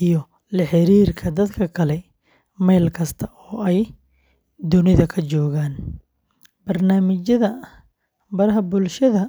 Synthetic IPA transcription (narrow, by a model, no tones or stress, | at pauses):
ijɞ | lɐħɪɾiːrkʰɐd̪ɐd̪kʰɐkʰɐlɛ | mɛjlkʰɐst̪ʰɐʔɔːɛj | d̪ʊnɪðɐkʰɐt͡ʃɔːɣaːn | bɐrnaːmɪt͡ʃɐðɐ | bɐɾɐɦɐbʊlʃɐðɐ